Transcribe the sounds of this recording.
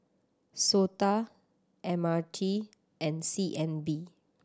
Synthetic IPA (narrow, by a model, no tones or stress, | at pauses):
sota | ʔɛ̃matʰi | ɛ̃nsiʔɛ̃nbi